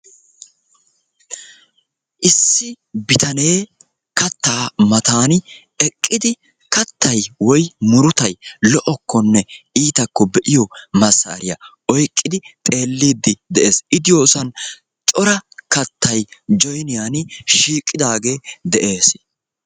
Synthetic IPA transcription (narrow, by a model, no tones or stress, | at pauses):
ʔɪsːɪ | bɪt̪ɐne̞ː | kɐt̪ːaːmɐt̪aːn | ɛkʼːɪd̪ɪ | kɐt̪ʰːɐjwɔjmʊɾʊt̪ɐjlɔʔɔkʰːɔnːɛiːt̪ɐkːɔbɛʔɪjɔmɐsɐ̰ːɾɪjɐ | ɔjkʼːɪd̪ɪt̪ʼe̞ːlːiːd̪ːɪd̪ɛʔe̞ːsɪd̪ɪjoːsɐn | t͡ʃʼɔɾɐkɐt̪ːɐjd͡ʒɔjnɪjaːnʃiːkʼːɪd̪aːɡe̞ːd̪ɛʔe̞ːs